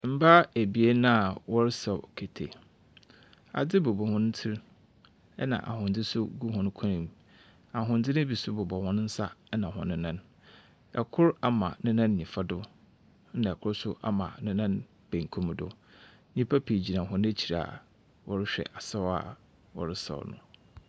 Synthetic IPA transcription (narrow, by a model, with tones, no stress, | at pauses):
m̩˦ba˦e˨bi˨e˦nã˦a˨wɔ˦ɾsɛ˨kʰe˨tʰe˨ | a̰˨d͡zɪ˦bo˨bɔ˨hʊ̃˦n̩˦tʰɪ˦ɾ | ɛ˦nã̰˨ʔa̰˨hʊ̃˨nd͡zɪ˦sʊ˦ɡu˦ɦʊ̃˦n˦kʰɔ̃˦nĩ˨ | a˨ɦʊ̃˨n̩˦dɪ˦nɪ̃˦bi˨sʊ˦bʊ˨bɔ˨hʊ̃˦n˦n̩˦sa˦nã˨ɦʊ̃˨nɪ̃˦nã˦n | ɛ˨kʰʊ˦ɾa˦mã̰˨nɪ̃˦nã˦n˨ɲĩ˨fa˦dʊ˦ | nã˨ɛ˨kʰʊ˦ɾsʊ˦ʔa˦mã̰˨nɪ̃˦nã˦n | b̥ẽ˨ŋ˨kʰũ˦mdʊ̰˦ | ɲĩ˦pʰa˦pʰi˨d͡ʑi˨nã˨ɦʊ̃˦n˦e˦t͡ɕʰi˨ɾa̰˨ | wɔ˦ɾɪ˦ɕᶣɛ̰˨ʔa˨sa˦wa̰˨ | wɔ̰˨ɾɪ˦sɔ̰˨wnʊ̰̃˨